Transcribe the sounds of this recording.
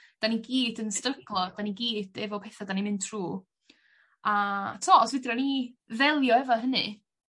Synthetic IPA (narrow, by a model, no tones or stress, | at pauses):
d̥aniɡiːdənstrəɡlˠɔd̥aniɡiːd̥ɛvɔpʰɛθadanimɪntʰruː | atʰɔːɔsvɪdranivɛlˠjɔɛvaɦənɨ̰